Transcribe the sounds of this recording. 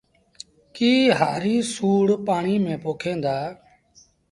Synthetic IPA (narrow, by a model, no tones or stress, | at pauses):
kiːɦaːɾĩːsuːɽpaːɳiːmẽːpoːkʰẽːnd̪aː